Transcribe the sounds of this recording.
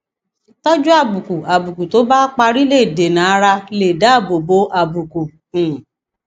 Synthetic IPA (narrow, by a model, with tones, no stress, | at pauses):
tɔ˦d͡ʒu˦a˦˨bu˨ku˨a˨bu˨ku˨to˨˦ba˦k͡pa˧ɾi˦le˦˨de˨nã˨a˦ɾa˧le˨da˨˦˨bo˨bo˨˦ʔa˨bu˨kũ˨